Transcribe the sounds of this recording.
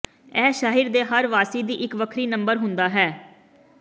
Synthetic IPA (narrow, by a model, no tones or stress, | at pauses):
ɛːʃaːɦɪɾd̪eːɦəɾʋaːsiːd̪iːʔɪkʋəkʰɾiːnəmbəɾɦʊnd̪aːɦɛː